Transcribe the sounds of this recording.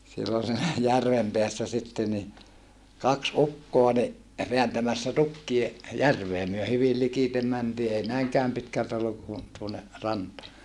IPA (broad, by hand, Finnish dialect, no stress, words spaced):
silːon siːnæ jærʋem peæsːæ sitːe ni kɑks ukːoɑ ni ʋeæntæmæsːæ tukːie jærʋeː myø hyʋil likitem mæntiː ei næiŋkæːm pitkæltæ olːuk ku tuonːe rɑntɑː